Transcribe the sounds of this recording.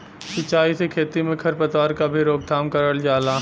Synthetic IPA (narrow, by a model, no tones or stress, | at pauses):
sɪt͡ʃːaːisekʰeːt̪imẽkʰɐɾpɐt̪ʋaːɾkabʱiɾoːɡ̚d̪ʱaːmkɐɾəld͡ʒaːlaː